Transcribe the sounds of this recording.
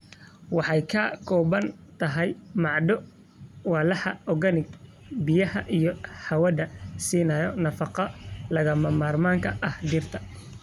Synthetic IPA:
wɑħɑjkʰɐkʰɔːβɐnt̪ʰɐɦɛjmɑʕɖɔ | wɑːlɐħɐɔɣɐnɪɡ | bɪjɐhɐʔijɔħɐwɐðɐsiːnɐjɔnɐfɑqɐlɐɣɐmɐmaːrmaːŋkʰɐʔɐhɖɪrt̪ʰɐ

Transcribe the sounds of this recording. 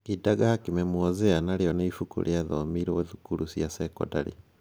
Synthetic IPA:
idaɡahakimɛmwɔzeanaɾeɔneifukṵɾʔeaðɔmiɾɔðukuɾusjasɛkɔ̰daɾḭ

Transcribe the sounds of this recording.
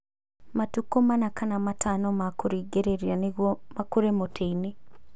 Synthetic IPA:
matukomanakanamatʰanɔmakoɾiːɡeɾeɾianeɣwɔmakoɾemotʰeine

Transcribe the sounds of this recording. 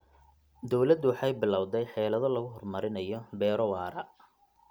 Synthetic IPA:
d̪ɔwlɐd̪wɑħɑjbɪlɑwðɛjħɛːlɐðɔlɐɣʊɦɔrmɐɾɪnɐjɔbɛːɾɔwɑːɾɐ

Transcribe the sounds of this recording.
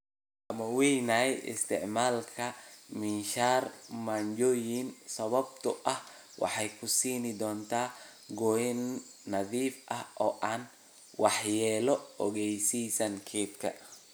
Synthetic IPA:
ʔɐmɐwɛjnɐɛjʔɪ̰st̪ʰɪ̰ʕmaːlkʰɐmɪnʃaːrmaɲd͡ʒɔːjɪnsɐβɐb̚t̪ʰʊʔɐh | wɑ̰ħɑjkʰʊsiːnɪd̪ɔːnt̪ʰaː | ɡɔjɛnː | ɐðiːfʔɐhʔɔːʔaːn | wɑħjɛːlɔɔ̰ɣɛjsiːsɐŋkʰɛːd̪kʰɐ̰

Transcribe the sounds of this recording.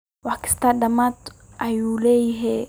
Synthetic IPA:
waki̥st̪adamat̪ | ajulejɦe

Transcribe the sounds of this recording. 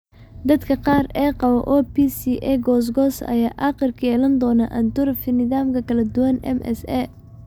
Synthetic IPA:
d̪ɐd̪kʰɐqɑːrɛːqɑβɐ̰ʔɔːpiːsiʔɛɡɔːs̬ɡɔːsɐ̰jaːʔɑqɪrkʰɐjɛːlɐnd̪ɔːnaʔɐnt̪ʊɾfɪnɪðaːmkʰɐkʰɐlɐd̪ʊwɐnɛ̰mɛ̰sɛ

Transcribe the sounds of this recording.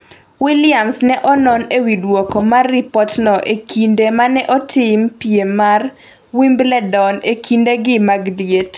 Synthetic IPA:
wilɪamsnɛʔɔnɔnewidwokomarːipɔtnɔʔekʰindemanɛʔɔtʰɪmpiemar | wimblɛdɔnekʰindeɡɪmaɡdjet

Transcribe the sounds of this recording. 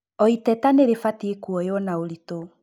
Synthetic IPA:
ɔitɛtaneɾefatiekuɔjɔnaoɾito

